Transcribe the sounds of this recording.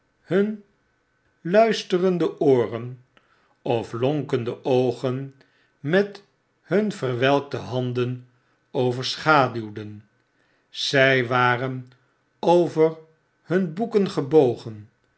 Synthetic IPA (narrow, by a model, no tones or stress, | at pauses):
hɵn | lœɥstərəndəʔʊːrən | ɔflɔŋkəndəʔowχən | mɛt | hɵnv̥əɹʋɛlˠk̚dəɦɑndən | owvəɹsχaːdywdən | z̥ɛjʋaːrən | owvər | hɵnbukənχəbowχən